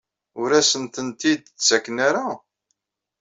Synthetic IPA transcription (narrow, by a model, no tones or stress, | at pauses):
ʊɾæsənt̪ənt̪id̪t͡sːækːnaɾa